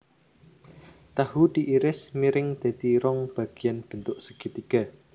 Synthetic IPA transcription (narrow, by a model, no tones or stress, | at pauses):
t̪ahud̪̥i̤ʔiɾɪsmiɾɪŋd̪̥a̤d̪̥iɾɔŋb̥a̤ɡ̥ijanb̥ə̤nt̪ʊʔsə̥ɡ̥it̪ika